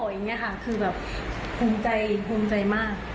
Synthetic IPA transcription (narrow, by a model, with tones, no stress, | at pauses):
ɔː˨˩ja˧ŋːi˦˥ɐkʰa˦˥˩kʰɯː˧bɛː˨˩p̚ | pʰuː˧mt͡ɕa˧jpʰuː˧mt͡ɕa˧jmaː˥˩k̚